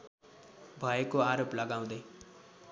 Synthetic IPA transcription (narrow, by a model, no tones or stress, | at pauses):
bʱʌekoaɾoplʌɡaw̃d̪ʌj